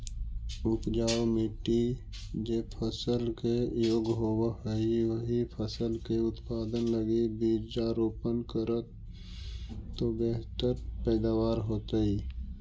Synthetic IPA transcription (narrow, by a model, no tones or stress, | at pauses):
ʊpd͡ʒaːomiʈi | d͡ʒepʰəsəlkejoːɡɦoːwəəɦiʋəɦipʰəsəlkeʊt̪paːd̪ənləɡibiːɾd͡ʒaːɾoːpənkəɾət̪ | obeɦt̪əɾpɛːd̪aːwaːɾɦoːt̪əiː